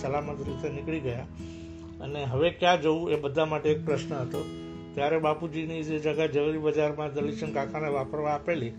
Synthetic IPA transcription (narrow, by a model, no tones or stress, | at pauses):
səlamət̪ɾit̪enɪkɭiɡəja | əneɦəʋekjad͡ʒəũebəd̪ʱamaʈeːk̚pɾəʃnəɦət̪o | t̪jaɾebapud͡ʒinid͡ʒed͡ʒəɡad͡ʒəʋəɾibəd͡ʒaɾmãd̪əliʃənkãkʰaneʋapəɾʋaːpeli